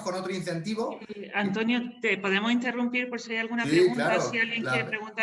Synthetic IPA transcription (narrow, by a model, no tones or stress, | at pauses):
konot̪ɾoinθe̞nt̪iβoant̪o̞njot̪epo̞ð̞e̞mosint̪e̞rumpiɾpo̞ɾsiajalɣunapɾeɣunaɾasialɣjeŋeɾepɾe̞ɣunt̪a